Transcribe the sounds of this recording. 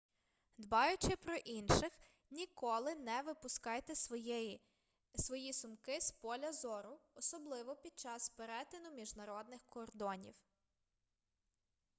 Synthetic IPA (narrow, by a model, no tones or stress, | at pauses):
d̪bɑjʊt͡ʃɪpɾɔʔinʃɪx | nʲikɔlˠɪnɛʋɪpʊskɑjt̪ɛ | sʋɔjisʊmkɪspɔlʲɐzɔɾʊɔsɔblˠɪʋɔpʲid̪̚t͡ʃɑspeɾɛt̪ɪnʊmʲiʒnɐɾɔd̪̚nɪxkɔrd̪ɔnʲḭw